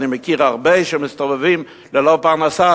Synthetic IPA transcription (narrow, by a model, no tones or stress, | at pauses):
nimekiʁaʁbeʃemist̪ovevim | lelopaʁnasa